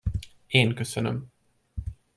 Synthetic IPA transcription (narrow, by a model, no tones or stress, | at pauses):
eːnkɵsənɵ̰m